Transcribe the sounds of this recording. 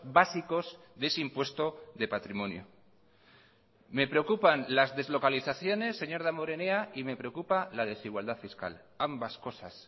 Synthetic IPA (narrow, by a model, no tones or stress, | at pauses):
basiko̞z | ðeseimpwe̞st̪o̞ðe̞pat̪ɾimõ̞njo | me̞pɾe̞o̞kupanlazðe̞zlo̞kaliθaθjo̞ne̞sːe̞ɲo̞ɾðamoɾe̞neaime̞pɾe̞o̞kupalað̞e̞siɣwald̪aðfiska̰l | ambasko̞sas